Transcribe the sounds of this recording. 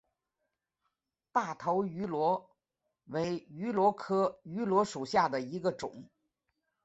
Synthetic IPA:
p̪a˥˩t̪ʰo˧˥ʊy˧˥lwɔ˧˥ | we˧˥ɪy˧˥lwɔ˧˥kʰɤ˥y˧˥lwɔ˧˥ʂu˨˩ɕja˥˩d̪ə˩i˧˥ɡə˧ʈ͡ʂʊ̰˨˩˦ŋ

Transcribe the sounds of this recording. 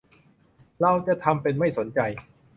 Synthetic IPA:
la˥˩wt͡ɕa˧˨˩t̪ʰa˧mpe˧nma˥˩jso˩˦nt͡ɕa˧j

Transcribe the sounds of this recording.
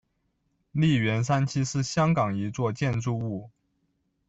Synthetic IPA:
li˥˩ɥɛ˧˥nsa˥nt͡ɕʰi˥ʂɻ̩˥˩ɕjɑ˥ŋkɑ˨˩ŋi˧˥t͡swɔ˥˧t͡ɕjɛ˥˧nʈ͡ʂu˥˧u˥˩

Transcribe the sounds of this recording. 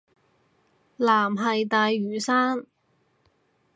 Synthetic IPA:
laː˨˩mɦɐ˨jt̪aː˨˧jɥyː˨˩saː˥n

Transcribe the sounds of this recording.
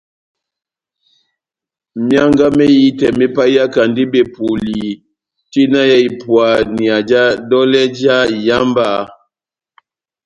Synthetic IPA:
mja˦ŋɡa˦mɛ˦ji˦tɛ˨mɛ˦pa˦i˦a˦ka˨ndi˦be˨pu˨li˨ | ti˦na˦ja˦i˨pwa˨ni˨a˨d͡ʒa˦dɔ˦lɛ˦d͡ʒa˦˨ja˦mba˦˨

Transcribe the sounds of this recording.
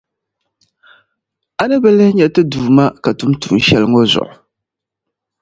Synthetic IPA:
a˦nɨ˦bɨ˦lɨ˦hɲɛ˨tɨ˦duː˨ma˦ka˨tu˦m˦tṵ˨n˦ʃɛ˦lɨ˦ŋo˦zʊ̰˨ʔʊ˨

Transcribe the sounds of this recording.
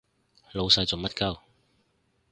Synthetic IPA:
lo˨˧wsɐ˧jt͡so˨ŋmɐ˥t̚kɐ˥w

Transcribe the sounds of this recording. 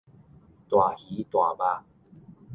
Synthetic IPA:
t̪wa˨˩hi˨˦t̪wa˨˩ba˧

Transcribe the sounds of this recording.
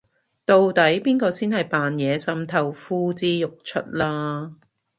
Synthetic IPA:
t̪o˨wt̪ɐ˨˥jpiː˥nkɔː˧siː˥nhɐ˨jpaː˨njɛː˨˧sɐ˧mt̪ʰɐ˨˧wfuː˥t͡siː˥jʊ˨k̚t͡ʃʰɵ̰˥t̚laː˥

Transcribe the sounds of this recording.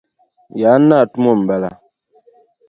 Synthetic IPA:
ja˨˦na˦˨tu˦mɔ˦˨m̩˨ba˨la̰˦

